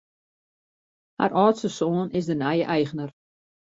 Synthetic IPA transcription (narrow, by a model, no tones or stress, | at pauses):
ha̰rʔɔːtsəsoːənɪsdənɛjəʔɛjχənər